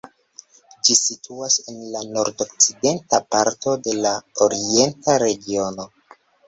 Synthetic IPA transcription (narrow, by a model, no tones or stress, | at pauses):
d͡ʒisitʰuase̞nlano̞ɾdo̞k̚t͡side̞ntapaɾto̞de̞laoɾie̞ntaɾe̞ɡio̞no̞